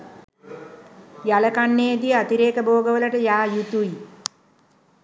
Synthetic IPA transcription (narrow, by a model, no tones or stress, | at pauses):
jalɐkaɳːeːd̪iat̪iɾeːkəboːɡəʋəlɐʈəjaːjut̪uji